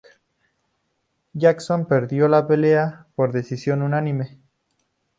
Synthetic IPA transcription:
ʝaksompe̞ɾðjo̞lape̞leapo̞ɾðe̞sisjo̞nunanĩme

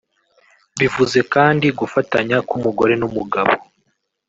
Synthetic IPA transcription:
βivuze̞kaːndiɡufataɲakumuɡo̞ɾe̞numuɡaβo

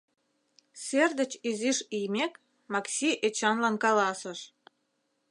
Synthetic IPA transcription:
serd̪ə̆t͡ɕiziʃijmʲek | mɑksʲiʔet͡ɕɑnlɑnkɑlɑsə̆ʃ

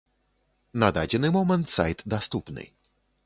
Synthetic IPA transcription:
nad̪ad͡ʑɛnɨmɔmɛnt̪sa̰jt̪d̪ast̪ɔpnɨ̰j

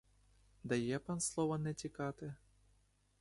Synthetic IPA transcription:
d̪ɐjɛpanslˠɔʋɐnɛtʲikɑt̪ɪ

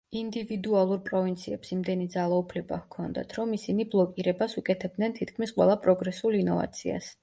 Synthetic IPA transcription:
ind̪ivid̪ualˠuɾpʼɾɔvint̪sʰiɛpsimd̪ɛnid̪zalˠaupʰlɛba̰hkʰɔnd̪a̰t̪ʰɾɔmisiniblˠɔkʼiɾɛbasukʼɛt̪ʰɛb̚d̪nɛnt̪ʰit̪kʰmisqʼwɛ̰lˠapʼɾɔɡɾɛsulinɔva̰t̪sʰia̰s

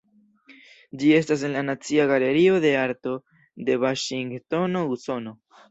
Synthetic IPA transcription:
d͡ʒie̞s̬tas̬e̞nlanat͡siaɡale̞ɾio̞de̞aɾto̞ | de̞vaʃiŋɡto̞no̞uso̞no̞

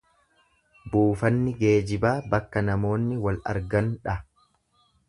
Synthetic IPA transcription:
buːfɐnːɪɡe̞ːd͡ʒɪbaːbɐkːɐnɐmo̞ːnːɪwɐlɐ̰ɾɡɐnᶑɐ

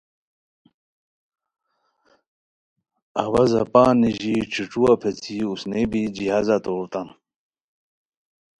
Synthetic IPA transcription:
ɐwɐzɐ̰paːniʑiʈ͡ʂʰiʈ͡ʂuapʰet͡sʰiusnebid͡ʑiɦazat̪oːt̪ɐn

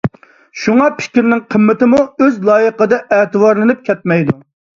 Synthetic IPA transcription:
ʃuŋɑpʰɪ̥kʲɾnɪŋqʰəmːɪt̪ɪmuøzlˠɑːjəqəd̪ɑʔɛːt̪ɨwɑɾlˠɨnɨp̚kʲʰɛt̪̚mɛjd̪u

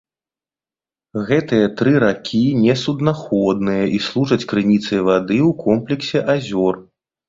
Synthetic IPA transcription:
ɣɛt̪ɨjɐt̪ɾɨɾakʲʰinʲɛsud̪naxɔd̪nɨjɐʔislˠuʐɐt͡sʲkɾɨnʲit̪sɐjvad̪ɨwkʰɔmplʲɛksʲɛʔazʲɔr

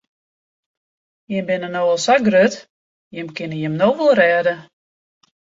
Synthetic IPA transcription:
jəbɪnənoəlˠsaɡrøt | jəmkɪnəjəmnowʋolˠrɛːdə

